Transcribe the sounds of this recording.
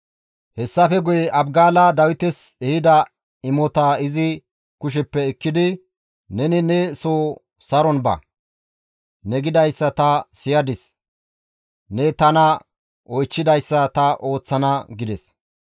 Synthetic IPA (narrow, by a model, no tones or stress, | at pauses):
hɛsːɐfɛɡʊjɛɐbɡaːlɐd̪ɐwɪt̪ɛsɛhɪd̪ɐ | ɪmɔt̪aɪzɪ | kʊʃ̬ɛpːɛːkːɪd̪ɪ | nɛnɪnɛsoː | sɐɾɔnbɐ̰ | nɛɡɪd̪ɐjsːɐt̪ɐsɪjɐd̪ɪs | nɛt̪ɐnɐ | ʔɔjt͡ʃːɪd̪ɐjsːɐt̪ɐʔo̞ːt͡sːɐnɐɡɪd̪ɛs